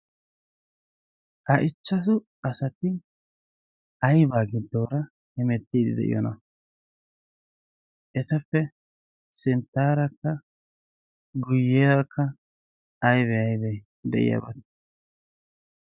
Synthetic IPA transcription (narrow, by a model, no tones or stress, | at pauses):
ʔɐʔɪt͡ʃːɐs̬ʊ | ɐsɐt̪ɪ | ɐjbaːɡɪd̪ːoːɾɐ | hɪmɛt̪ːiːd̪ɪ̰d̪ɛ̰ʔɪ̰jɔ̰nɐ | ʔɛsɐfːɛ | sɪnt̪ːaːɾɐkːɐ | ɡʊjːeːɐkːɐː | jβɛɐjbɛ | d̪ɛ̰ʔɪ̰ja̰bɐt̪